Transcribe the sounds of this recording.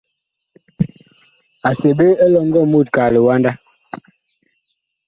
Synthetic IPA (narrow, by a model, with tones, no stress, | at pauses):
a˨se˨be˦e˦lɔ˦˨ŋ̩˦ɡɔ˦˨mu˦˨t̚ka˨le˨wa˦nda˦